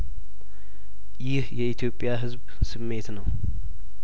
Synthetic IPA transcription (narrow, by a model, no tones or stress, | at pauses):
jɪhjɛit̪ʰjo̞pʼːjaɦɨzb | sɨmːe̞t̪nəw